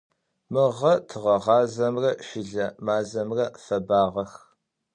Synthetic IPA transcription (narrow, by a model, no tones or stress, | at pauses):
mɨʁɐtʰɨʁɐʁɑːzɐmrɐʃɪɮɐmaːzɐmrɐfɐbaːʁɐx